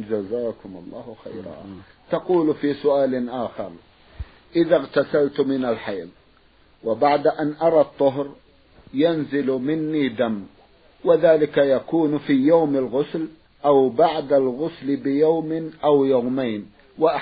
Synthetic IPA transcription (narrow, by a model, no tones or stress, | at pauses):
d͡ʒazaːkʊmɑ̰lˤːɑ̰ːhʊxa̰jɾa̰ | t̪ɑquːlfiːsʊʔaːlʔaːxɑ̰ɾˤ | ʔɪðaɣt̪asalt̪mɪnalħajð | wɪbaʕd̪aʔanʔɑɾˤɑt̪ˤːʊɦɾ | janzɪlmɪnːiːd̪am | wɪðaːlɪkajakuːnfiːjawmɪlɣʊsl | ʔawbaʕd̪alɣʊslɪbɪjawmɪʔawjawmajn | waʔ